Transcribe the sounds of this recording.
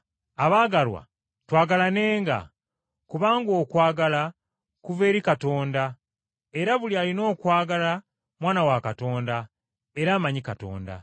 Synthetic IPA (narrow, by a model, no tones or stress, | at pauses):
aβaːɡalwa̰ | twaːɡalane̞ːŋɡa̰ | kuβaːŋɡo̞ːkwaːɡala | kuve̞ːɾikato̞ːnda | e̞ɾaβulialino̞ːkwaːɡala | mwaːnawakato̞ːnda | e̞ɾaːmaɲikato̞̰ːnda̰